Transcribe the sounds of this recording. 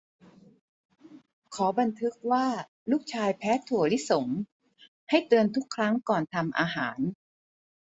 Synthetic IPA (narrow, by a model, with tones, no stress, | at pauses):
kʰɔː˩˦ba˧nt̪ʰɯ˦˥k̚waː˥˩ | luː˥˩k̚t͡ɕʰaː˧jpʰɛː˦˥t̪ʰu˨˩əli˦˥so˩˦m | ha˥˩jt̪ɯ˧ənt̪ʰu˦˥kʰːɾa˦˥ŋkɔː˨˩nt̪ʰa˧mʔaː˧ɦaː˩˦n